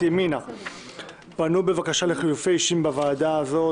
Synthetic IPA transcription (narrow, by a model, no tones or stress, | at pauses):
emina | b̥anube̞vakaʃale̞χijufe̞jiʃimbavaːdaːzo̞